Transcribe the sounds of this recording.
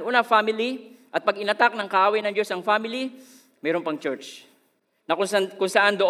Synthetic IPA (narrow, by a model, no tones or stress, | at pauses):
ʔuːnɐfamɪliʔɐt̪̚pɐɡɪnɐt̪ak̚nɐŋkɐʔaːwɐjnɐŋd͡ʒo̞sɐŋfamɪli | mɛːɾonpɐŋt͡ʃɛɹt͡ʃ | nɐkʊŋskʊŋsɐʔand̪oʔ